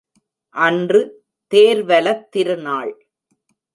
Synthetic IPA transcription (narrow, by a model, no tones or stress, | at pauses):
ʔɐndrɯ | t̪eːɾʋɐlɐt̪ːɪɾɯnaːɭ